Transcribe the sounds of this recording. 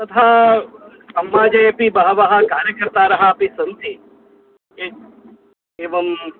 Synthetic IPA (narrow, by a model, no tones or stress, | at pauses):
t̪ɐt̪ʰaː | sɐmːaːd͡ʒɐjɐpibɐɦɐʋɐɦɐkaːɾjɐkɐɾt̪aːɾɐɦɐɐpisɐnt̪i | e | eːʋɐm